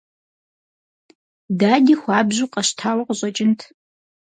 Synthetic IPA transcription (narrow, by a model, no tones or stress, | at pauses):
daːdiːxʷaːbʑuːqʼɐɕtʰaːwɐqəɕʼɐt͡ʃʼɪntʰ